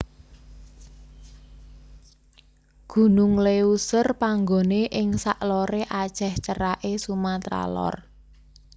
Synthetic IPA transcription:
ɡ̥ṳnʊŋleusərpaŋɡoneʔɪŋsaʔloɾeʔad̥ʒ̥ɛht͡ʃəɾaʔesumat̪ɾa̰lɔ̰r

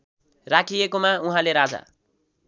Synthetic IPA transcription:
rakʰijekomauɦãleɾad͡za̰

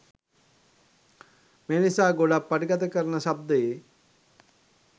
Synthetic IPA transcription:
menisaːɡoɽɐpːɐʈikɐt̪ɐkɐɾɐnɐʃɐb̚d̪e

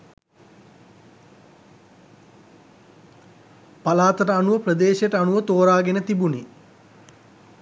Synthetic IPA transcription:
palaːt̪əʈəanuʋəprəd̪eːʃjʈəanuʋət̪oːɾaːɡenət̪ibuni

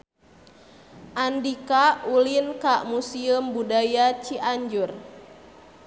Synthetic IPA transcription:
ʔandikaulinkamusiumbudajat͡ʃiʔaɲd͡ʒur

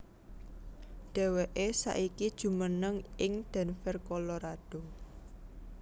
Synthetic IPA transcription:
ɖ̥ɛ̤weʔesa̰ʔikid̥ʒ̥ṳmənəŋɪŋd̪̥ɛ̤nfɛrkɔloɾad̥o̤

